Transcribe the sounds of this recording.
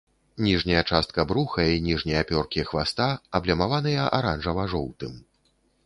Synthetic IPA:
nʲiʐnʲɐjɐt͡ʂast̪̚kɐbɾuxɐinʲiʐnʲɐjɐpʲɔrkʲixvast̪aɐblʲɐmavanɨjɐʔaɾanʐɐvaʐɔwt̪ɨm

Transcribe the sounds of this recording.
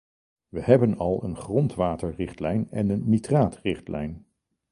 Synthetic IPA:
ʋəɦɛbənɑlˠənχrɔntʋaːtəɹrɪχtlɛjnɛ̰nənːitraːtrɪχtlɛ̰jn

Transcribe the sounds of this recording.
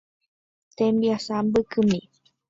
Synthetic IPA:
t̪embiasambɨkɨmi

